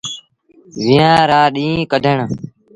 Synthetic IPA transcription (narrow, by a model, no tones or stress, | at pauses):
ʋɪjãːɾaːɗĩːkəd̪ʱəɳ